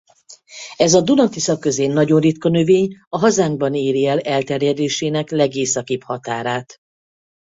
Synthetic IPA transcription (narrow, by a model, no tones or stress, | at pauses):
ɛzɒd̪unɒt̪isɒkːø̞zeːnːɒɟo̞nrit̪kɒnøveːɲɒɦɒzaːŋɡ̚bɒniːɾiɛlɛlt̪ɛrjɛd̪eːʃeːnɛklɛɡeːsɒkiphɒt̪aːɾaːt̪